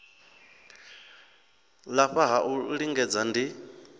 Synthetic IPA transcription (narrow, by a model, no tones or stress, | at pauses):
laɸaɦaʔuɺiŋɡɛd͡zandi